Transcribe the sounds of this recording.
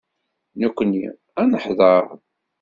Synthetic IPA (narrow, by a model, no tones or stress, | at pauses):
nukʷːənːḭ | ænəħðˤəɾ